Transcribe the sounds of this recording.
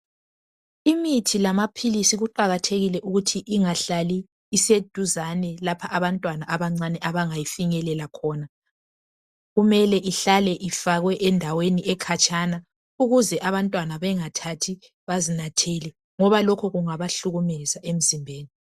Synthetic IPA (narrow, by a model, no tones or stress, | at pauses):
imitʰilamapʰilisiɣuǃaɣatʰeɣilɛʔuɣutʰiʔiŋaɬaliː | sed̥ʱuzanɛlapʰaʔaβantʼwanaʔaβaŋ͡ǀanɛʔaβaŋajifiŋɛlɛlakʰɔːna | ɣumɛlɛʔiɬalɛʔifaɣwɛʔɛndʱaweniʔɛkʰat͡ʃʼana | uɣuzɛʔaβantʼwanaβɛŋatʰatʰi | βazinatʰɛlɛ | ŋɔβalɔkʰɔɣuŋaβaɬuɣumɛzaʔem̩zimbʱeːni